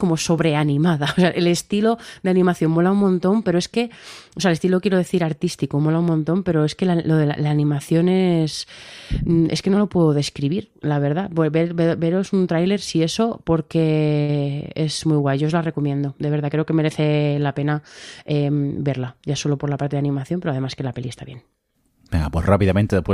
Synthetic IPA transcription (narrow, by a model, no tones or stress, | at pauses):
ko̞mo̞so̞βɾe̞anĩmaðaoseaʔele̞st̪ilo̞d̪eanĩmaθjo̞mmo̞laummõnt̪o̞mpe̞ɾoe̞ske̞oseaelest̪ilo̞kje̞ɾo̞ð̞e̞θiɾaɾt̪ist̪ikomo̞laummõnt̪o̞mpe̞ɾo̞e̞ske̞laloðela̰laːnĩmaθjo̞ne̞s | e̞ske̞no̞lo̞pwe̞ðoðe̞skɾiβiɾlaβe̞ɾð̞abebeɾbebe̞ɾo̞sunt̪ɾajle̞ɾsie̞so̞po̞ɾke̞ | ezmujɣwajʝo̞ozlare̞ko̞mjẽ̞nd̪o̞d̪e̞βɾð̞akɾe̞oke̞me̞ɾe̞θe̞lape̞naembe̞ɾlaʝaso̞lo̞po̞ɾlapaɾt̪e̞ðanĩmaθjompe̞ɾoað̞e̞maske̞lape̞liest̪aβje̞̰n | bḛŋɡapwesrapiðament̪eepwe